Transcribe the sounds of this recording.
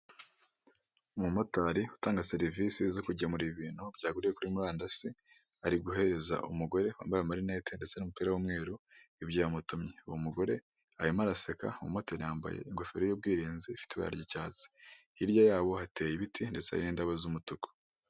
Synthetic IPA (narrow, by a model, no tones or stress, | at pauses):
umumotaɾiutaːŋɡaseɾivisizokuɟamuɾiβiːn̥hub̥ɟaːɡuɾije̞kuɾimuɾaːndasi | aɾiɡuɦe̞ɾe̞za̰ʔṵmuɡo̞ɾe̞wa̰ːmbajamaɾine̞ːte̞ndet͡senumupiːɾawumŋe̞ːɾuibɟaːmutumɲeuwomuɡo̞ɾe̞ | ajimaɾaseka̰umṵmotaɾijaːmba̰jḛiŋɡofeɾojob̚ɡiːɾiːnziːfi̥tiβa̰a̰ɾɟicaːzi̥ | iɾɟajaːβo̞hate̞jiβitʰinde̞t͡sea̰joniːndaβazumutuko̥